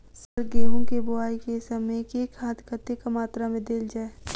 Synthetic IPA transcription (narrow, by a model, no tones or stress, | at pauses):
səɾɡeːɦõkebʊaːikesɐməkeːkʰaːt̪ʰkʰət̪ekɐmaːt̪ɾamẽd̪eːld͡ʒaːe